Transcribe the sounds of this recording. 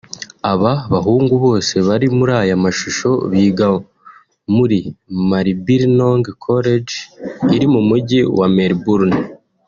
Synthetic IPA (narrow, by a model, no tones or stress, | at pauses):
aβaβaɦuːŋɡuβo̞ːse̞βaɾimuɾaːjamaʃuʃo̞βiːɡa | muɾimaɾibiɾnoŋɡkʰoɾed͡ʒiɾimumuɟiwameɾbuɾn